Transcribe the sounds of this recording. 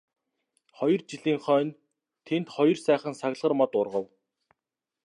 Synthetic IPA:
χɔjɞ̆rt͡ɕiɮiːŋχœːn | t̪ʰent̪χɔjɞ̆rsæːχə̆nsaɣ̆ɮʁə̆rmɔt̪ʊrʁə̆w

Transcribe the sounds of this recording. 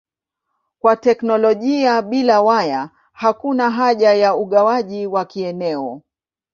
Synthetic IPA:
kwatɛknɔlɔʄiaɓilawaja | hakunaɦaʄajauɠawaʄiwakiɛnɛɔ

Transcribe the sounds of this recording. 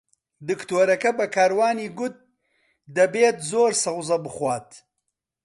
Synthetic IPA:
d̪ɨkt̪oːɾɐkabakaːɾwɑːniɡʊt̪̚ | d̪ɐbeːt̪zoːɾsɐʁzɐbəχwɑːt̪

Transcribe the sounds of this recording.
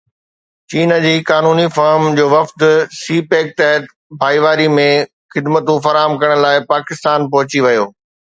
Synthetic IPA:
t͡ɕiːnə̆d͡ʑiːkaːnuːnifɐːɾmd͡ʑoːʋɐft̪siːpeːk̚t̪ɛɦət̪ | bʱaːiʋaːɾimẽ | xɪd̪mət̪ũfɐɾaːɦəmkɐɽ̃̆laːɪpaːkɪst̪aːnpɐɦʊt͡ɕiʋɐjoː

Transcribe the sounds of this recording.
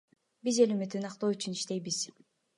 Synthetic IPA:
bizelymyt̪ːynɑqt̪oːyt͡ʃʰyniʃt̪e̞jbiz̥

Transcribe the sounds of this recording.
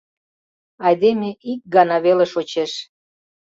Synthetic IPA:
ɑjd̪emeʔik̚ɡɑnɑβeleʃot͡ɕeʃ

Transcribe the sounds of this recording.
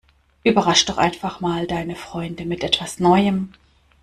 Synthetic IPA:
ʔyːbɐʁaʃd̥ɔχʔa̰ɪnfaχmaːldaɪnəfʁ̥ɔʏndəmɪtʔɛtv̥asnɔʏəm

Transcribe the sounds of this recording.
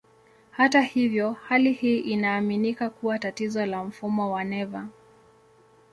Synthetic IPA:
hatahivjɔhalihiːʔinaːminikakuwatatizɔlam̩fumɔwanɛva

